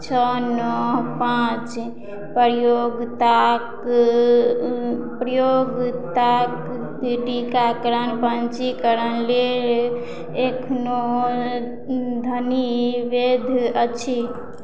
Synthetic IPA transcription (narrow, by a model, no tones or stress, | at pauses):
t͡ʃʰənɔɦpãt͡ʃ | pəɾjoɡt̪ak | pɾəjoɡt̪ak | ɖikakəɾənpənt͡ʃikəɾənlel | ekʰno | d̪ʱəniʋed̪ʱət͡ʃʰi